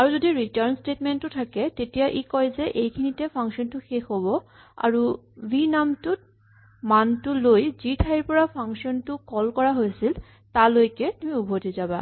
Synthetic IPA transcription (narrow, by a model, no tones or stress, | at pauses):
aɹuzodiɹitaɹnstetmentːʊtʰakɛtetijaʔikɔjzɛʔejkʰinitɛpʰaŋksɔntʊxexɦobɔ | a̰ɹubinamtut̚ | mantʊlojzitʰaiɹpɔɹapʰaŋsiɔntʊkɔlkɔɹaɦojsil | talojkɛtumiubʱotizaba̰